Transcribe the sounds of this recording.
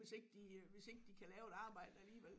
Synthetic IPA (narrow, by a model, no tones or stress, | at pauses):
e̝se̝ɡ̥əd̥iʋe̝se̝ɡ̥əd̥ikʰælɛːʊe̝d̥ɑ̈ːb̥ɑ̈ɪ̰d̥əæliːʋel̰